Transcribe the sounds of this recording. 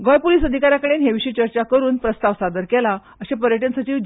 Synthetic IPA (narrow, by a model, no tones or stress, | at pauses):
ɡɔjpoliːsəd̪ʱikaɾjakəɽenɦeʋiɕiːt͡ɕəɾt͡ɕakəɾuːnpɾəst̪aʋsad̪əɾkɛla | əɕapəɾjəʈ̬ənsət͡ɕiːʋd͡ʑ